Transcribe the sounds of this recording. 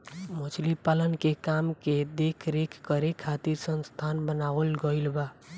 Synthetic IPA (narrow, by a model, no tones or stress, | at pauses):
mot͡ʃʰlipalənkekamked̪ekʰɾekʰkəɾekʰat̪iɾsənst̪ʰanbənaʋəlɡəɪlba